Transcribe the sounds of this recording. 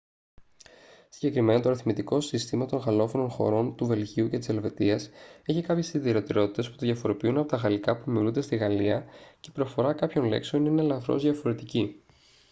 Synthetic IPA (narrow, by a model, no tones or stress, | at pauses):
si̥ɲɟe̞kɾime̞nɐt̪o̞ɾiθmit̪iko̞sist̪imɐt̪o̞nɣɐlo̞fo̞no̞nxo̞̰ɾo̞nt̪uve̞lʝiuce̞t̪i̥se̞lve̞t̪iɐse̞çikɐpçe̞siðiɾo̞t̪eɾo̞t̪i̥t̪e̞sput̪oðʝɐfo̞ɾopiunɐpo̞t̪ɐɣɐlikɐpuimiulund̪est̪iɣɐliɐce̞̥pɾo̞fo̞ɾɐkɐpço̞nle̞̰kseoninelɐθɾo̞̰zðʝɐfo̞ɾe̞t̪ici